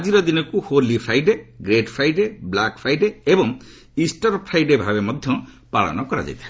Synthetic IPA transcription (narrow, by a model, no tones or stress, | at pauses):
ad͡ziɾʌd̪inʌkuholipʰɾajɖeɡɾeʈpʰɾajɖeblakpʰɾajɖeebʌŋ | isʈʌrpʰɾajɖebʱabemʌd̪ʱjʌ̃ | paɭɔ̰nʌkʌɾa̰d͡za̰jt̪ʰi